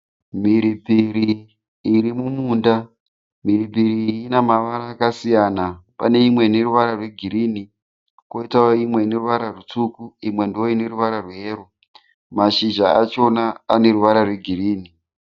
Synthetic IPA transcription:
miɾipiɾi | iɾimumuːnda | miripiɾiːnamaʋaɾaːkasijanapa̰ne̞imwe̞neruʋaɾarwe̞ɡʱiɾiːni | ko̞itaoimwe̞ineruʋaɾarut͡sukuimwe̞ndioine̞ɾuʋaɾarweːro | maʃiʒaat͡ʃo̞naane̞ɾuʋaɾarweɡʱiriːni

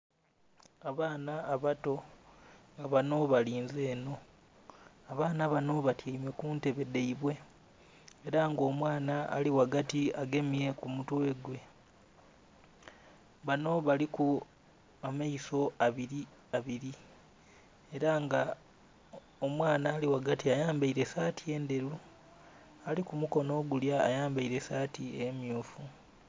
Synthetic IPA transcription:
aβaːnaːβato̞ | ŋɡaβano̞βaliːnze̞ːno̞ | aβaːnaβano̞βatʰjaime̞kuːnte̞βe̞de̞iβwe̞ | eɾaŋɡo̞ːmwaːna̰ːliwaɡatiaɡe̞mie̞kumutwe̞ɡwe̞ | βano̞βaliku | amaiso̞aβiɾi | aβiɾi | e̞ɾaŋɡa | omwaːnaːliwaɡatiajaːmbaiɾe̞saːtʰie̞ːnde̞ɾu | alikumuko̞no̞ːɡulja̰ːjaːmbaiɾe̞saːtiemjuːfu

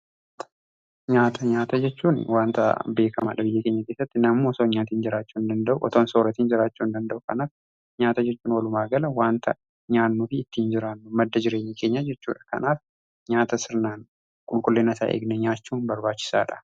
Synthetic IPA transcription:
ɲaːt̪ʰɐɲaːt̪ɐd͡ʒɛt͡ʃːuːnwaːnt̪ɐ̰be̞ːkʰɐma̰ᶑɐbɪjːɐke̞ːɲːɐke̞ːsːɐt̪ːɪnɐmːoːsoːɲaːt̪iːnd͡ʒɪɾaːt͡ʃːuːnd̪ɐnd̪ɐʔuʔɔt̪oːnsoːɾɐt̪iːnd͡ʒɪɾaːt͡ʃːuːnd̪ɐnd̪ɐʔʊkɐ̰naːf | ɲaːt̪ɐd͡ʒɛt͡ʃːuːnwɐlʊmaːɡɐlɐwaːnt̪ʰɐ | ɲaːnːuːfɪːt̪ːiːnd͡ʒɪɾaːnːʊmɐd̪ːɐd͡ʒɪɾeːɲːeke̞ːɲːɐd͡ʒɛt͡ʃːṵːᶑɐ̥kɐ̰naːf | ɲaːt̪ɐsɪɾnaːn | kʼʊlkʼʊlːeːnɐsa̰ːʔḛːɡnɛɲaːt͡ʃːuːnbɐɾbaːt͡ʃːɪ̥sa̰ːᶑɐ̥

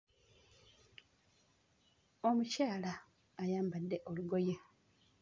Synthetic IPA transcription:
o̞mucaːlaː | jaːmbadːe̞ʔo̞luɡo̞je̞

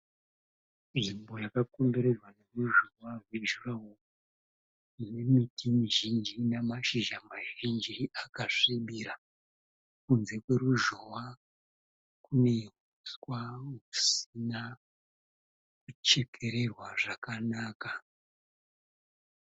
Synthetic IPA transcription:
nʐimbo̞jakakombeɾerwane̞ruʒowaɦweʒurawo | ne̞mitʰimiʒind͡ʒinamaʃiʒamaʒind͡ʒiakaʂiɓiɾa | kunze̞kwe̞ɾuʒowa | kune̞ɦ | uskwaŋusina | kut͡ʃe̞kʰe̞ɾe̞rwaʐakanaːka

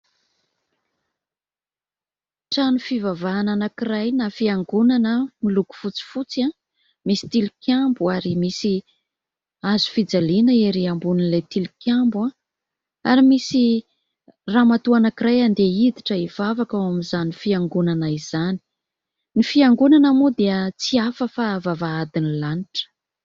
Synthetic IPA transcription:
ʈ͡ʂanufivavaːnanakirajnafiaŋɡunanəmiluku̥fut͡si̥fut͡siã | misi̥t̪ilikʲʰjambuaɾimisi | azu̥fid͡zalinəeɾiambuninlejt̪ilikʰʲambuã | a̰ɾimisi | ramat̪uanakiɾajand̪eid̪iʈ͡ʂəiv̥avakawamizanifiaŋɡunanaiz̥ani̥ | nifiaŋɡunanamud̪eət͡siafəfavavaad̪inilaniʈ͡ʂə̥

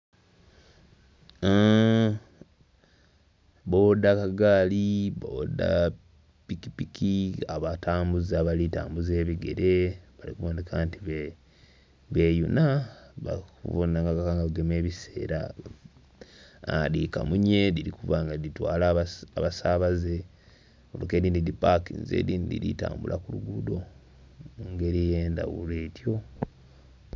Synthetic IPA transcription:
bowodakaɡaːliβowo̰da̰ | pikipikʰiaβatʰaːmbuzaβalita̰ːmbuze̞ːβiɡe̞̰ɾe̞βalikuβoːndekʰaːntiβe | βe̞ːjṵnaβa̰kṵvonaŋɡakakaːŋɡaaɡeme̞ːβise̞̰ːɾa | a̰dika̰muɲe̞diɾikuvaŋɡaditwaːlaaβasaβaze̞ | oloke̞ːɾiːndidipakinzḛːdiːndḭɾita̰ːmbulʔa̰kuluɡudo̞ | muŋɡe̞ɾijeːnda̰wuleːtjo̞

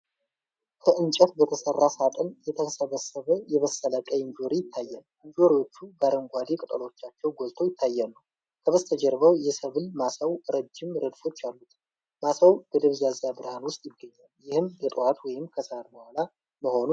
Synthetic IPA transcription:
kʰəʔɨnt͡ʃʼət̪bət̪ʰəsərːasat̪ʼənjɛt̪ʰəsəβəsːəβəjɛβəsːələkʼəjɪnd͡ʒoɾijɪt̪ʰːajːalʔɨɲd͡ʒoɾiwo̞t͡ʃːubaɾəŋɡʷad̪ekʼɨt̪ʼəlo̞t͡ʃːat͡ʃːɛwɡo̞lt̪ʰo̞jɪt̪ʰːajːalːu | kʰəβəst̪ʰəd͡ʒɛɾbəwjɛsəβɨlmasawɾəd͡ʒːɪmɾəd̪fo̞t͡ʃːalːut̪ | masawb̥əd̪əβzazjabɨɾhanwʊst̪ʼjɪɡːəɲːaljɪhɨmbət̪ʼwat̪wɔjɪmkʰəsəaɾbəhʷala | məho̞nu

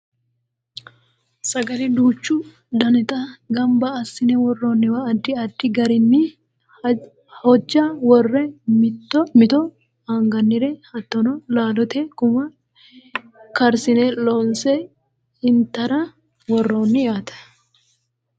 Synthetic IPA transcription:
sɐɡɐlɪd̪uːt͡ʃːʊ | d̪ɐnɛt̪ʼɐɡɐmbɐːsːɪnɛwɔrːoːnːɪwɐːd̪ːɪɐd̪ːɪɡɐɾɪnːɪ | hɔd͡ʒːɐwɔrːɛmtːmɪt̪ɔ | aŋɡɐnːɪɾɛhɐt̪ːɔnɔlaːlɔt̪ɛkʊmɐ | kɐɾsɪnɛloːnsɛ | ɪnt̪ːɐɾɐ | wɔrːoːnːɪjaːt̪ɐ̥

